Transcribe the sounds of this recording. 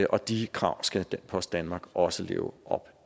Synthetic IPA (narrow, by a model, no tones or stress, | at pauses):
əʔɒ̽d̥ikʰʁɑ̈ʊ̰sɡ̥æd̥enpʰɒ̽sdd̥ænmɑ̈ːɡ̥ɒ̽səle̝̰ːʊʔɒ̽b̥